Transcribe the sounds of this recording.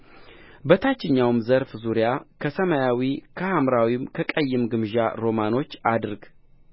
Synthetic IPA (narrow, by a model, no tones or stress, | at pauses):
bət̪ʰat͡ʃːɪɲːawmzəɾfzuɾjakʰəsəmajawikʰəhamɾawimkʰəkʼəjːɪmɡɨmʒaɾo̞mano̞t͡ʃːad̪ɨɾɡ